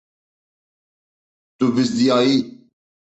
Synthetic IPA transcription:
t̪ubɪsd̪ijaːi

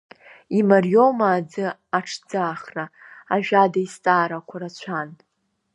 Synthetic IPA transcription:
imarjo̞maːd͡zɨaʈ͡ʂʰd͡zaːχra | aʒᶣadaist͡sʼaːɾakʷʰaɾat͡ɕʷʰan

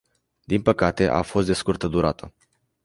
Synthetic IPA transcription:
d̪inpəkat̪e̞ʔa̰fo̞st̪d̪e̞skurt̪əd̪uɾat̪ə

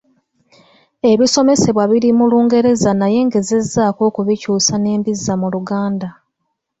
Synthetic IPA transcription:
e̞βiso̞me̞se̞βwaβiɾimuluːŋɡe̞ɾe̞zanaje̞ŋɡe̞ze̞zːaːko̞ːkuβicuːsane̞ːmbizːamuluɡaːnda

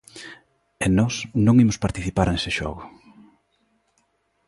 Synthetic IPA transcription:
enɔsnõŋimʊspaɾt̪iθipaɾnesɪʃɔ̰ɣʊ

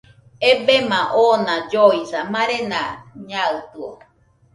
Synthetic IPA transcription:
ebemãʔonãd͡ʒoisamãɾenãɲaɨt̪ɯo̰

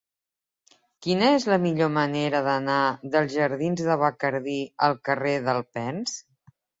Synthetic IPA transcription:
kinəezləmiʎoməneɾəðənaðəlˠzʒəɾðinzðəβəkəɾðiəlˠkəreðəlˠpɛns

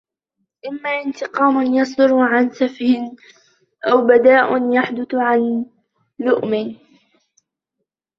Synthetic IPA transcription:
ʔɪmːaːʔɪnt̪ɪqɑːmʊnjɑsˤd̪ʊɾʕansafhɪn | ʔawbad̪aːʔʊnjaħd̪ʊθʕan | lʊʔmɪ

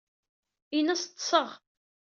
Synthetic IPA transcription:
inæst̪ˤːsˤəʁ

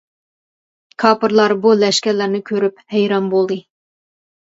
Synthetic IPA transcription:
kʰɑpɨɾlˠɑɾbulæʃkʲælːæɾnɪkʲʰøɾɪp̚hæjɾɑnbolˠɨ

